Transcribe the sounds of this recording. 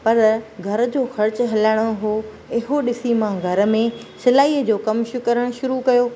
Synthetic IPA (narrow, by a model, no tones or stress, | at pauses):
pɐɾɡʱɐɾ̆d͡ʑoːxɐɾt͡ɕɦɐlaɽ̃oɦoː | ɪɦoɗɪsimãɡʱɐɾə̆mẽsɪlaːiːəd͡ʑoːkɐmʃʊkɐɾəɽ̃ʃʊɾukɐjoː